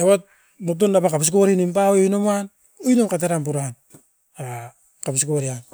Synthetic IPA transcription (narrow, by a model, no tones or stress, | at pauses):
ewat̚ | mut̬undapakapiskoɾinimpaweojnomuan | ojnomkat̬eɾamp̬uɾaan | a | kapiskoɾian